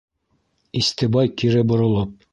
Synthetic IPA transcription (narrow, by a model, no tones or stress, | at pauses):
ist̪ɘ̆bɑjkiɾɘbŏɾŏlˠɤp̚